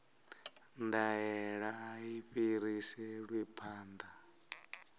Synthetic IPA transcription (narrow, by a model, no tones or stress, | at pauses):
ndajɛɺaːiɸiɾisɛɺwipʰaːnd̪a